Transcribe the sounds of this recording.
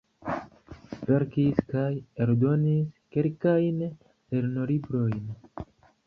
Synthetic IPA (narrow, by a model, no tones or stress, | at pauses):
ve̞ɾkiskajeɾdo̞niske̞lkajn | le̞ɾno̞libɾo̞jn